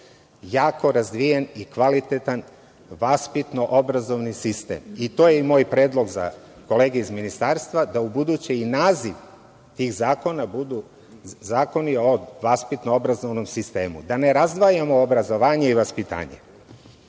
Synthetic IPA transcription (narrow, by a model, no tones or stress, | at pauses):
jaːko̞ɾazd̪ʋijenikʋalit̪et̪an | ʋaspit̪no̞ʔobɾazo̞ʋnisist̪ḛːmit̪ojeimo̞ːjpɾeːd̪lˠo̞ɡza̰ | ko̞le̞ːɡeizminist̪aːɾst̪ʋad̪aubud̪ut͡ɕeinaːziʋ | t̪ixzaːko̞nabud̪u | zaːko̞nioʋaspit̪noobɾazo̞ʋnomsist̪e̞ːmṵd̪ane̞ɾazd̪ʋajamo̞obɾazo̞ʋaːɲeiʋaspit̪a̰ːɲḛ